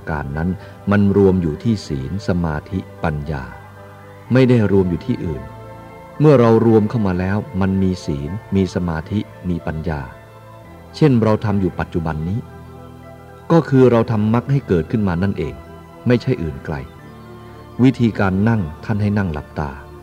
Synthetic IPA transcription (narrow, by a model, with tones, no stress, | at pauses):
a˧ka̰ː˧nːa˦˥n | ma˧nɾu˧əmjuː˨˩t̪ʰiː˥˩siː˩˦nsa˧maː˧t̪ʰi˦˥pa˧nja̰ː˧ | ma˥˩jda˥˩jɾu˧əmjuː˨˩t̪ʰiː˥˩ʔɯː˨˩n | mɯ˥˩ɐɾa˧wɾu˧əmkʰa˥˩wmaː˧lɛː˦˥wma˧nmiː˧siː˩˦nmiː˧sa˧maː˧t̪ʰi˦˥ | miː˧pa˧njaː˧ | t͡ɕʰe˥˩nɾa˧wt̪ʰa˧mjuː˨˩pa˨˩t̪̚t͡ɕu˨˩ba˧nːiː˦˥ | kɔː˥˩kʰɯː˧ɾa˧wt̪ʰa˧mːa˦˥k̚ha˥˩jkɤː˨˩t̪̚kʰɯ˥˩nmaː˧na˥˩nʔeː˧ŋ | ma˥˩jt͡ɕʰa˥˩jʔɯː˨˩nkla̰˧j | wi˦˥t̪ʰiː˧kaː˧nːa˥˩ŋt̪ʰa˥˩nɦa˥˩jna˥˩ŋla̰˨˩p̚t̪a̰ː˧